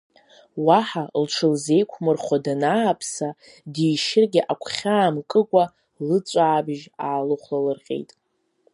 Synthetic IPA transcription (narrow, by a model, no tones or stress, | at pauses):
waħalʈ͡ʂʰɨlzejkʷʰmɨrχʷadanaːpʰsa | dijʃɪrɡʲɪʔakʷʰχʲaːmkʼɨkʷʼa | lɨt͡sʷʼaːbʒaːlɨχʷlalɨrqʲʼḛjtʼ